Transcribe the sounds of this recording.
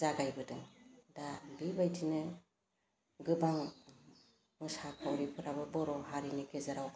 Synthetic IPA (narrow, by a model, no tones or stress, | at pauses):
zaɡajbɯdɯŋdabibajtʰinɯ | ɡɯbaŋ | mɯsakʰawɾipʰɯɾabɯbɔɾɔhaɾinikʰezaɾaw